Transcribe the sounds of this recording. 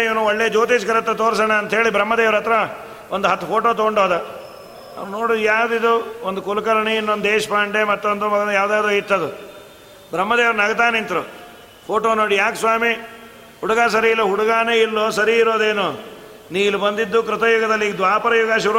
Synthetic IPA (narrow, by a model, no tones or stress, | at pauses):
iʋɐnuɔɭːeːd͡ʒoːt̪iːt͡ʃkɐɾɐt̪ːɐt̪oːɾsɐɳeɐnt̪ɐɦe̞ːɭibɾɐmːɐd̪eːʋɐɾɐt̪ɾɐ | ond̪uɦɐt̪ːupʰoːʈoːt̪oɳɖoːd̪ɐ | na̰ʋnoːɽid̪jaːwd̪id̪uond̪ukulukɐlɐɳeinːond̪eːʃɐpaːɳɖemɐt̪ːond̪umɐɡɐjaːʋd̪aːd̪ɾuit̪ːɐd̪u | bɾɐmːɐd̪eːʋɐɾɐnɐɡɐt̪aːnent̪ɐɾu | pʰoːʈoːnoːɽijaːksʋaːmi | huɽuɡaːs̬ɐɾiilːoɦuɽuɡaːneilːo̞ːsɐɾiːɾo̞ːd̪eːnu | niːlubɐnd̪id̪ːukɾɪt̪ɐjuɡɐd̪ɐlːiɡd̪ʋaːpɐɾɐjuɡaʃuɾu